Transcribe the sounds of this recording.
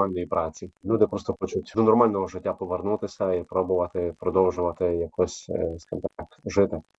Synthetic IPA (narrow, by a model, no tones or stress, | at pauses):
alʲnɔjipɾʔɑt͡sʲinud̪ɛpɾɔst̪ɔxɔt͡ʃʊtʲd̪unɔrmɑlʲnɔɦɔʒɪtʲːapɔʋernut̪ɪsʲɐipɾɔbʊʋɐt̪ɪpɾɔd̪ɔwʒʊʋɐt̪ɪjɐkʰɔsʲskɪmt̪akʒɪt̪ɪ